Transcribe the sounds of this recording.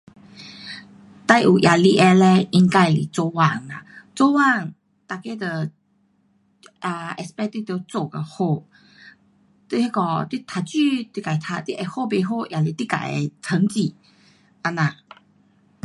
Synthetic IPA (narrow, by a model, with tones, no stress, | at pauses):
t̪a˥˧jʔu˨˩ʔjʔa˨˩li˧ʔɛ˧le˧i˧ŋka˧˩ji˨t͡so˧wa˥˧˩ŋa̰˨˩t͡so˥˦wa˥˧˨ŋ | t̪a˧ke˥˧d̪ə˧ | a˧˩ɛ˧spɛ˥˧t̪i˥˨t̪jo˧t͡so˥˧˩ɡə˧ho˥˧˨ | t̪wi˧he˥kɔ˧t̪wi˥˨t̪ʰa˧˩t͡ɕy˥˧˨t̪wi˥˧ka˨˩t̪ʰa˧t̪wi˥˧ʔɛ˧˩ho˥˧be˧ɦo˥˧ʔja˨li˧t̪i˥˨ka̰˨˩˦j̰t̪ʰə˧˦ŋt͡ɕi˨˩ | ʔa˧nã˨˩